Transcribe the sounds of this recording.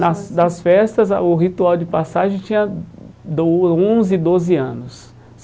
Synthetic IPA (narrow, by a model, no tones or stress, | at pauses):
ɐsd̪ɐsfɛst̪ɐzʊɦit̪uawd͡ʒɪpasaʒẽj̃t͡ʃĩɲɐd̪oõzɪd̪ozɪɐ̃nʊs